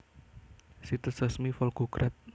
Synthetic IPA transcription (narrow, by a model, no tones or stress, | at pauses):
sit̪əsəsmifɔlɡuɡɾat̪̚